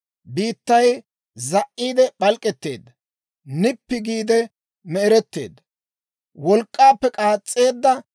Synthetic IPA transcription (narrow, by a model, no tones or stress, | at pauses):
biːt̪ːɐj | zɐʔːiːd̪ɛɓɐlkʼːɛt̪ːe̞̰ːd̪ːɐ | nɪpːɪɡiːd̪ɛ | mɛɛɾɛt̪ːḛːd̪ɐ | wɔlkʼːaːpːɛkʼaːt͡sʼːe̞ːd̪ːɐ